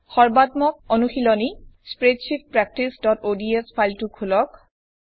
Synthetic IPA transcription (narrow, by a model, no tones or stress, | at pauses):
xɔɹbatmɔk̚onuxilɔnispɹedʃip̚pɹɛk̚tisdɔtodiespʰajltukʰulɔk̚